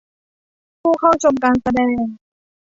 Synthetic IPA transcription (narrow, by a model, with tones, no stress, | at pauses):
pʰuː˥˩kʰa˥˩wt͡ɕʰo˧mkaː˧nsa˧dɛː˧ŋ